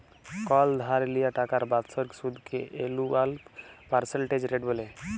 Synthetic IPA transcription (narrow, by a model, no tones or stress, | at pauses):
kɔld̪ʱaɾlijaʈakaɾbat̪sɔɾksud̪ʱkʰeʔelualpaɾseɳʈed͡ʒɾeɖbɔle